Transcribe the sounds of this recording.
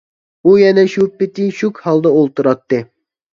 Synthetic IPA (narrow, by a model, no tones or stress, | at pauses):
ujɛnɛʃupːɪt̪ɪʃukʲhɑlˠd̪ɑolˠt̪uɾɑt̪ːɨ